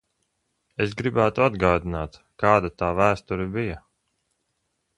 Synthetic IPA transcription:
es̬ɡɾibæːt̪uad̪ɡaːd̪inaːt̪ | kaːd̪at̪aːvæːst̪uɾibija

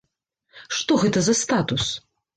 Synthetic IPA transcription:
ʂt̪ɔɣɛt̪ɐzɐst̪at̪us

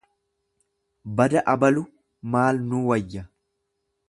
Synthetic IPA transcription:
bɐd̪ɐʔɐbɐlʊ | maːlnuːwɐjːɐ

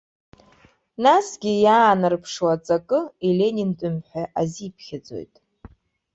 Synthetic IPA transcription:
nasɡʲɪjaːnɨrpʰʂwat͡sʼakʼɨile̞nʲintʼʊmħʷᶣaʔazipʰχʲɪd͡zo̞̰jtʼ

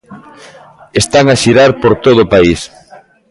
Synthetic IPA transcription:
est̪aŋaʃiɾaɾpoɾt̪oð̞ʊːpais

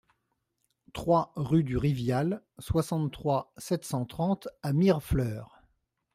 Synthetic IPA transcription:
t̪χwaʁyd̪yʁivjal | swasɑ̃t̪t̪ːχwasɛt̪sɑ̃t̪χɑ̃t̪amiʁflœːʁ

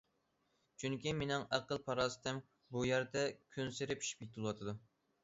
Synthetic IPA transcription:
t͡ʃʰyŋkʲimenɪŋæqəlˠpʰɑɾɑst̪ʰɛm | bujæɾd̪ɛkʲʰynseɾɪpʰi̥ʃi̥p̚jʲet̪ʰɨlˠwɑt̪ʰɨd̪u

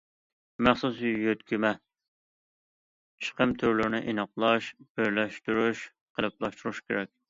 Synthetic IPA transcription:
mæχsusjøt̪kʲymɛ | t͡ʃʰə̥qəmt̪ʰuɾlɪɾnɪʔenɑqlˠɑʃb̥eɾlɛʃt̪uɾuʃ | qʰəlˠɨplˠɑʃt̪uɾuʃkʲʰeɾɛkʲ

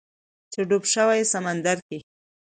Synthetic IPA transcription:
t͡ʃeɖobʃəwajsamand̪aɾke

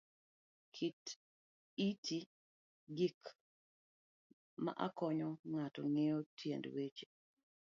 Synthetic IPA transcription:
kʰit | itʰi | ɡik | ma̰ʔakɔɲɔŋatɔ̰ŋejotʰjḛndwet͡ʃe̥

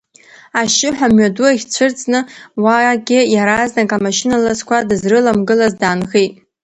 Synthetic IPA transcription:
aʃɪħʷᶣamɥaduaχʲt͡ɕʷʰɨrt͡sʼnɨwaɡʲɪjaɾaznakʼamaʃɪnalazkʷʰadɨzrɨlamɡɨlazdaːnɣejtʼ

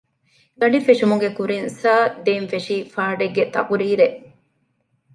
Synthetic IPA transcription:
ɡɐɖifeʂumuŋɡekuɾinsaːd̪eːnfeʂiːfaːɖeɡːet̪ɐkuɾiːɾeʔ

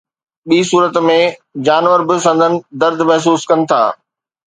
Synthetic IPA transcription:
ɓiːsuːɾət̪mẽd͡ʑaːnʋəɾbɪsɐ̃nd̪ʱənɪ̆d̪ɐɾd̪ʱmɛɦs̬uːskɐnɪ̆t̪ʰa̰ː

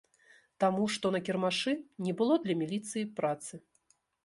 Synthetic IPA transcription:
t̪amuʂt̪ɔnɐkʲɛrmaʂɨnʲɛbɨlˠɔd̪lʲɐmʲilʲit̪sɨjipɾat̪sɨ

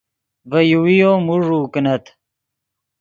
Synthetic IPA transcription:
vɐjuwijoːmuʐuːknɐt̪

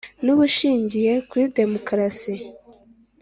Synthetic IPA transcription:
nuβuʃiːɲɟije̞kuɾide̞mo̞kɾasi

